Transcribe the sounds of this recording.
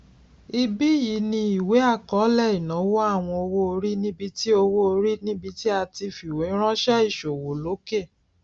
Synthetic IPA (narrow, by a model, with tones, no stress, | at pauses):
i˧bi˦˨ji˨˦nĩ˧i˨we˨˦a˦˨kɔ˨˦lɛ˦˨i˨nã˨˦wɔ˦a˦˨w̃ɔ̃˧o˧wo˦o˧ɾi˦nĩ˦bi˧ti˦o˧wo˦o˧ɾi˦nĩ˦bi˧ti˦a˧ti˧fi˨wẽ˨˦ɾ̃ɔ̃˦ʃɛ˦i˦˨ʃo˨wo˨lo˨˦ke˦˨